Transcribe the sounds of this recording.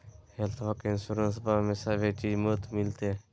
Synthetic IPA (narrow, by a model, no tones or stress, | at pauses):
helt̪ʰʋəkɪnsuɾəns̬bameːsaːʋet͡ʃiːd͡ʒmət̪mɪlt̪e